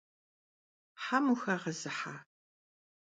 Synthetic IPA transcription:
ħamuxɐʁɐzɨħaː

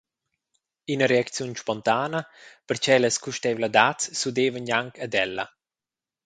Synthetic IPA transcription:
inəɾeakt͡sjunʃpɔnt̪aːnɐpəɾt͡ʃɛləskuʃt̪ɛvlad̪atsːud̪eːvənjaŋkəd̪ɛlːɐ̰

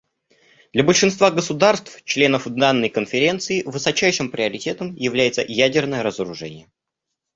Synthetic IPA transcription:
d̪̥lʲɐbəlʲʂɨnst̪vaɡəsʊd̪arst̪ft͡ɕlʲe̞nəfd̪anːəjkənfʲɪɾʲe̞nt̪sɨɪvɨsɐt͡ɕæjʂɨmpɾʲɪɐɾʲɪtʲe̞t̪əmjɪvlʲæjɪt̪sə̰jædʲɪrnəjəɾəzəɾʊʐɛnʲɪjə

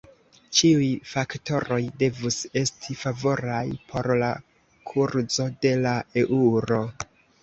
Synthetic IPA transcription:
t͡ʃiujfakto̞ɾo̞jde̞vuse̞stʰifavo̞ɾajpʰo̞ɾla | kʰuɾzo̞de̞lae̞ʔuɾo̞

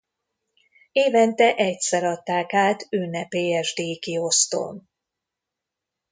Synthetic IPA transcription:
eːvɛnt̪ɛʔɛcsɛɾɒt̪ːaːkaːt̪ynɛpeːɛʒd̪eːkio̞st̪o̰n

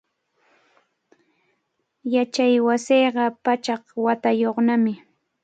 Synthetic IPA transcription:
jat͡ʃajwasijɢɑpat͡ʃɑχwat̪ajoχnamɪ

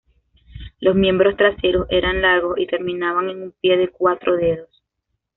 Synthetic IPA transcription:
lo̞zmje̞mbɾo̞st̪ɾase̞ɾo̞se̞ɾanlaɾɣo̞sit̪e̞ɾmĩnaβaŋe̞ŋumpje̞ðe̞kwat̪ɾo̞ðe̞ðo̞s

